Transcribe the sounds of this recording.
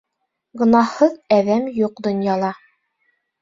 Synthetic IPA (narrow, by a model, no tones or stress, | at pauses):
ɡɤ̆nɑhɤðæðæmjuq̚d̪ŏnjɑlˠɑ